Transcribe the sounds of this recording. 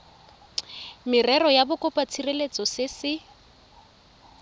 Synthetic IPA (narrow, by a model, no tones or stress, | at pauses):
mɪrɛrɔjabʊkʼɔpʼat͡sʰirelet͡sʼɔsɪsɪ